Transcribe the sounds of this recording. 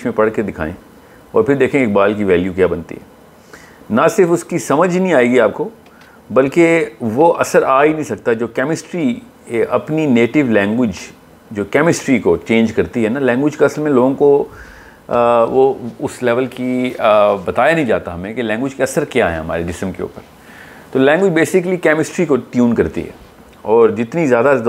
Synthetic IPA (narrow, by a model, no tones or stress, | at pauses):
ʃmẽpɐɽked̪ɪkʰa̰ːḛ̃ | ɔ̰ːɾpʰɪɾd̪eːkʰẽeːk̚baːlk̬iʋɛːljukjaːbɐnt̪ḭɦɛ̰ː | nɐsɪɾfʊskisɐməd͡ʒʱnəɦĩaːeːɡiaːp̚ko | bɐlkeʋoʔɐsəɾaːinɐ̃ɦĩsɐk̚t̪aɛd͡ʒoːkɛːmɪsʈɾi | ʔɐpnineːʈɪʋlɛ̃ːŋɡʋɪd͡ʒ | d͡ʒoːkɛːmɪsʈɾikot͡ʃẽːnd͡ʒkɐɾt̪iɦɛnalɛ̃ːŋɡʋɪd͡ʒkaɐsəlmẽloːɡõko | ʋoʊslɛːʋəlki | bɐt̪aːjanɐɦĩd͡ʒaːt̪aɦɐmẽkelɛ̃ːŋɡʋɪd͡ʒkeɐsəɾkjaːɦɛ̰ɦɐma̰ːɾeɖɪsə̃mkḛṵːpəɾ | t̪oːlɛ̃ːŋɡwʋɪd͡ʒbeːsɪklikɛːmɪsʈɾikoʈjuːnkɐɾt̪ḭɦɛ̰ː | ɔːɾd͡ʒɪt̪nizjaːd̪a